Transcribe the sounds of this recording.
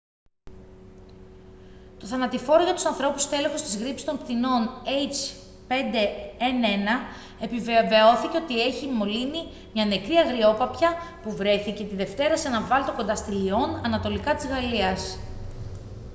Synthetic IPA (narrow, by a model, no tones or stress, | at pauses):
t̪o̞θɐnɐt̪ifo̞ɾoʝɐt̪u̥sɐnθɾo̞pust̪e̞lexost̪izɣɾipsi̥t̪o̞mpt̪ino̞nejt͡ʃ | pe̞nd̪e̞ene̞nɐ | e̞piveve̞o̞θice̞o̞t̪ie̞çimo̞lini | mɲɐne̞kɾiɐɣɾio̞pɐpçɐpuvɾe̞θice̞t̪iðe̞ft̪e̞ɾɐsenɐvɐlit̪o̞ko̞nd̪ɐst̪ilio̞nɐnɐt̪o̞likɐt̪izɣɐliɐs